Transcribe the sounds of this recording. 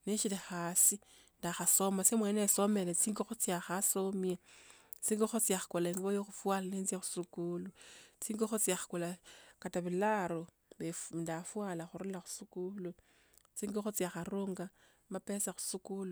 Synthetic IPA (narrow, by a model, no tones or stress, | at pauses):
neʃilexaːsi | ndaxaso̞masemweneso̞melet͡siːŋɡoxot͡siaxasomjat͡siːŋɡoxot͡siaxḁkolaeŋɡβojoxufwalanenzjexu̥sukulut͡siŋɡoxot͡siaxḁkolakataβilaɾo | βendafwalaxuɾulaxu̥sukulu | t͡siŋɡoxot͡siaxaruŋɡa | mapesaxu̥sukulu